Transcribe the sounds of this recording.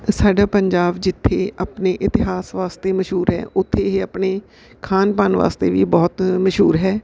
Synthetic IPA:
saːɖaːpəɲd͡ʒaːbd͡ʒɪt̪ʰːeːaːpneːʔɪt̪ɪɦaːsʋaːst̪eːməʃɦuːɾɦɛ̰ːʔʊt̪ʰːeːɦeːaːpneː | kʰaːnpaːnʋa̰ːst̪ḛːʋiːbɔːt̪məʃɦuːɾɦɛː

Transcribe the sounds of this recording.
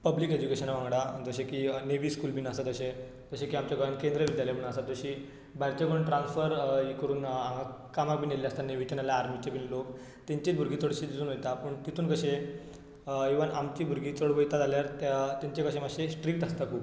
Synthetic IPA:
pəbliked͡ʑukeɕənaʋãŋɡɽad͡zəɕẽkiːneʋiskuːlbʱiːnasat̪əɕe | d͡zəɕekiːamt͡ɕjakəɭənkẽnd̪ɾəʋid̪jaljabʱiɳasat̪d͡zəɕi | baɽt͡ɕekəɾuːnʈɾãnsfəɾikəɾuːnaŋɡakamak̚bʱineljast̪aneʋit͡ɕanaljaːɾmit͡ɕebʱiːnlok | t̪ẽɲt͡ɕiːt̪̚bʱuɾɡit͡s̪oɽɕit̪it̪uːnɦojt̪apəɳt̪it̪ʰuːnkəɕẽ | eʋənamt͡ɕiːbʱuɾɡiːt͡soɽbəjt̪ad͡zaljaɾt̪t̪eɲt͡ɕekəɕẽmaɡɕesʈɾik̚ʈəst̪akʰuːb

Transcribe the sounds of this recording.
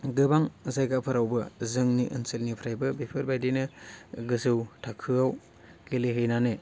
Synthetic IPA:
ɡɯbaŋzajɡapʰaɾawbɯzɯŋniʔɯ̰nsɯlnipʰɾajbɯbepʰɯɾbajdinɯɡɯzɯwtʰakʰɯaw | ɡeleɦɯjnanɯ

